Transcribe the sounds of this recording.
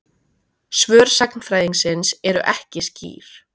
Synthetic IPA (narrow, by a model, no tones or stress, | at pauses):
svœːɾ̥saknfɾaːjðiŋsɪnsɛɾʏ̰ʔɛhcɪscḭːɾ̥